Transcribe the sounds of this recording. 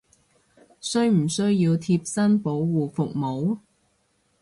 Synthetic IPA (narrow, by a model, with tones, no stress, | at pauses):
sɵ˥ɥm̩˨˩sɵ˥ɥjiː˧wt̪ʰiː˧p̚sɐ˥npo˨˥wwuː˨fʊ˨k̚mo˨˥w